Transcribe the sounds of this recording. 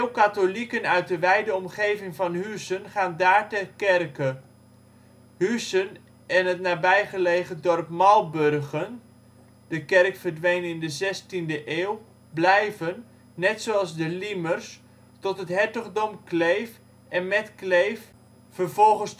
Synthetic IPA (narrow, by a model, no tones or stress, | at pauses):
wˠkatolikənœɥt̚dəʋɛjdəɔmχejvɪŋvɑnɦysənχaːndaːɹtɛrkɛrkə | hysən | ɛnɦətnaːbɛjχəlejχədɔrpmɑlˠbørχən | d̥əkɛrkfərdʋejnɪndəzɛstindəʔeːwˠ | blɛjvənː | ɛtsoɑlˠzdəlimərs | tɔtɦətɦɛɹtəχdɔmklejf | ɛnmɛtklejf | fərvɔlˠχəns